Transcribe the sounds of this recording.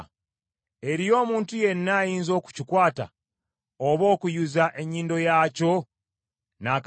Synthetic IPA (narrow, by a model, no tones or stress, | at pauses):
e̞ɾijo̞ːmuːntuje̞nːajiːnzo̞ːku̥cikwaːta̰ | oβo̞ːkujuzaʔe̞ɲːiːndo̞jaːco̞ | naːk